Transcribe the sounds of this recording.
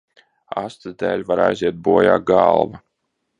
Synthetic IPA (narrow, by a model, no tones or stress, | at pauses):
ast̪ɨzd̪ɛːlʲvaɾa̰jziɛt̪̚buɔja̰ːɡalˠva